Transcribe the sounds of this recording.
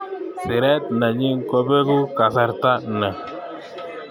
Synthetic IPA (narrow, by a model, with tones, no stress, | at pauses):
sɪ˨ɾɛ˦t̪̚na˨ɲi˦ŋkɔ˦be˦ɡu˦ka˨sa˦ɾta˦nɛ˨